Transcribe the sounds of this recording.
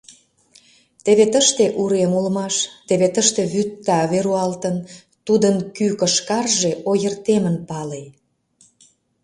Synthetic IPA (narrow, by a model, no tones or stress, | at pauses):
t̪eβet̪əʃt̪eʔuɾemulmɑʃt̪eβet̪əʃt̪eβyt̪ːɑβeɾuɑlt̪ən | t̪ud̪ənkykəʃkɑrʒeʔojərt̪emənpɑlej